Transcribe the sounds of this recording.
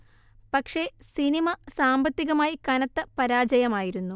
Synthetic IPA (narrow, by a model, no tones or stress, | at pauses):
pɐkʂe̞sinimɐsaːmbɐt̪ːiɣɐmaːjikɐnɐt̪ːɐpɐɾaːd͡ʑɐjɐmaːjiɾunːu